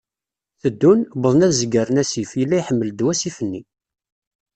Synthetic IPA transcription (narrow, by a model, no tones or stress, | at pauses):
θəd̪ːunbəðˤnæðzəɡəɾənæsifjəlːæjħəmːəld̪wæsifənːi